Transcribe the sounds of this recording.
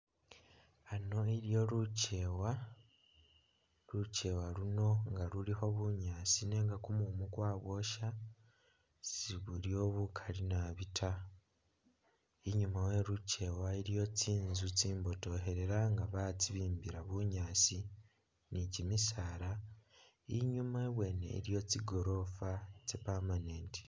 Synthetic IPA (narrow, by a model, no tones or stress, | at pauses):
ano̞iɾijo̞ɾucewa | ɾuce̞waɾuno̞ŋɡaɾuliho̞βuɲaːt͡sine̞ŋɡakumumukwaːβo̞ʃa | siβuɾio̞βukʰalinaβitʰa | iɲumawe̞ɾuce̞waiɾjo̞t͡siːnzut͡siːmbo̞to̞ɦe̞ɾe̞ɾaŋɡaβat͡siβiːmbiɾaβuɲaːt͡si | nicimisaɾa | iɲumaeβwe̞ːne̞̰ɾjo̞t͡siɡo̞ɾo̞fat͡sepamaneːnti̥